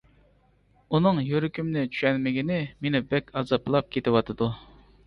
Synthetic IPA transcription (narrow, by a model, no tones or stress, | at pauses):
unɨŋjøɾykʲymnɪt͡ʃʰy̥ʃɛnmɪɡʲinɪmenɪbɛkʲʰɑzɑplˠɑp̚kʲʰet̪ɪwɑt̪ʰɨd̪u